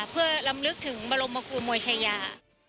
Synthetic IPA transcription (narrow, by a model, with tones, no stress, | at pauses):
pʰɯ˥˩ɐla˧mlɯ˦˥k̚t̪ʰɯ˩˦ŋba˧ɾo˧mːa˧kʰu˧ɐmoː˧jt͡ɕʰa˧jaː˧